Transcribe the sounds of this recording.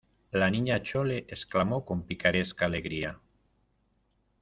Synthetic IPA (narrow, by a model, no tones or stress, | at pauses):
laniɲat͡ʃoleʔesklamokompikaɾeskaːleɣɾia